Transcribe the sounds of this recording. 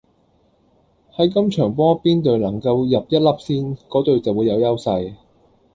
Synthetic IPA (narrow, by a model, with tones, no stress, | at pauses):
hɐ˨˥jkɐ˥mt͡ʃʰœː˨˩ŋpɔː˥piː˥nt̪ɵ˨˩ɥlɐ˨˩ŋkɐ˧wjɐ˨p̚jɐ˥t̚lɐ˥p̚siː˥nkɔː˨˥t̪ɵ˨ɥt͡sɐ˨wu˨˧jɐ˨˧wjɐ˥wsɐ˧j